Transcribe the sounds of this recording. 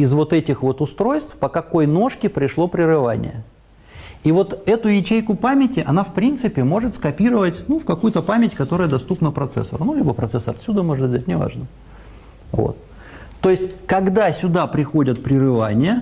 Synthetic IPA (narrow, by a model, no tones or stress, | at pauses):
ɪzvo̞t̪ɛtʲɪxvo̞t̪ʊst̪ɾo̞jst̪fpəkɐko̞jno̞ʂkʲɪpɾʲɪʂlˠo̞pɾʲɪrɨva̰nʲɪ̰jə̰ | ivo̞t̪ɛt̪ʊjɪt͡ɕejkʊpamʲɪtʲɪʔɐnafpɾʲint̪sɨpʲɪmo̞ʐɨt̪skɐpʲiɾəvətʲnufkɐkujʊt̪əpamʲɪtʲkɐt̪o̞ɾəjəd̪ɐst̪upnəpɾɐt̪sɛ̰sːə̰ɾnulʲibəpɾɐt̪sɛsəɾɐt̪sʲud̪əmo̞ʐɨt̪vʲzʲætʲnʲɪva̰ʐnə | vo̰t̪ː | o̞jɪsʲtʲkɐɡd̪asʲʊd̪apɾʲɪxo̞dʲət̪̚pɾʲɪrɨvanʲɪjə